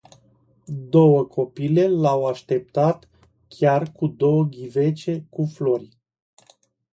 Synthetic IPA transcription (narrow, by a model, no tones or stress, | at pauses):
d̪o̞wəkʰo̞pile̞lawaʃt̪e̞p̚t̪at̪ | kʲarkud̪o̞wəɡʲive̞t͡ʃe̞kuflo̞ɾʲ